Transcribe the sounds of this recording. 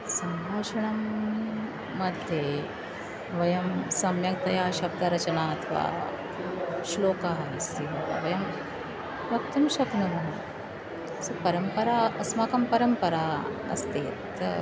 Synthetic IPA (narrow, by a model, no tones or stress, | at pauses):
sɐmbʱaːʂɐɳamː | ɐd̪ʱje | ʋɐjɐmsɐmjɐk̚t̪ɐjaɕɐb̚d̪ɐɾɐt͡ɕɐnaɐt̪ʰʋa̰ | ʃloːkaɦisiʋɐ̰ʋɐjɐm | ʋɐk̚t̪ɐmɕɐknumɐɦ | sɐpɐɾəmpɐɾaɐsmaːkɐmpɐɾɐmpɐɾaɐ̰st̪eːt̪